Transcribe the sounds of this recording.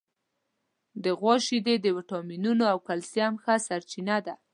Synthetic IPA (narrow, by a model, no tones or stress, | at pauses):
d̪əɣwɑʃid̪ed̪əwɪʈɑminunoawkalsjamxasaɾt͡ʃinad̪a